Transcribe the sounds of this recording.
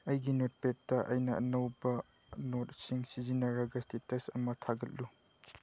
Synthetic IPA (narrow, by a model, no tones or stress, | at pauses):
ɐjɡinot̚pet̚tɐʔɐ̰jnɐʔːnɐwbɐ | not̚siŋsizinɐɾɐɡɐstitɐsɐmɐtʰaɡɐt̚lu